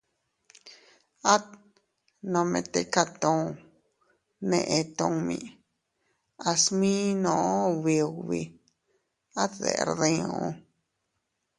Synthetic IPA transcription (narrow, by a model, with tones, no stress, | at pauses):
a˦t̪ | nõ˧mẽ˧t̪e˧ka˦t̪õ˦˧ | nẽ˧ʔẽ˧t̪õ˧mḭ̃˧˨ | a˧smĩ˦nõ˧˨˦βi˧˨βi˧ | a˦t̪ðḛ˨ɾðĩ˧õ˧